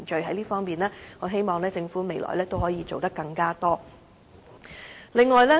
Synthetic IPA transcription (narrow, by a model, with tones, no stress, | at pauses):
nt͡ʃɵ˧ɥɦɐ˨˥jliː˥fɔː˥ŋmiː˨nlɛː˥ŋɔː˨˥ɦe˥jmɔː˨ŋlɛː˥t͡sɪ˧ŋfuː˨˥me˨˧jlɔ̰ː˨˩jlɛː˥t̪o˥whɔː˨˥jiː˨˧t͡so˨wt̪ɐ˥kːɐ˧ŋkaː˥t̪ɔː˥ | lɪ˨ŋːɔː˨jlɛː˥